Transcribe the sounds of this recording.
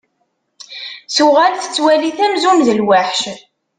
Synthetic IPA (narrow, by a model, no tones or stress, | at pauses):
suʁælθə̥t͡sːwæliθæmzumðəlwaħʃ